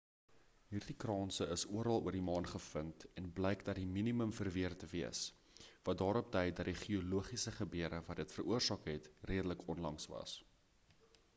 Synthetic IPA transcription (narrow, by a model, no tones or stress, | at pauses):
ɦiːrdikrɑːnsəəsuəɾɐlˠuərdimɑːnχəfəŋtɛnblɛjkdɐtdiminiməmfərviərtəviəs | vɐt̚dɑːɾɔp̚dɛjdɐt̚diχioluəχisəχəbøəɾəvɐtdətfəruərsɑːkɦɛtriədələkɔnlɐŋsvɐ̰s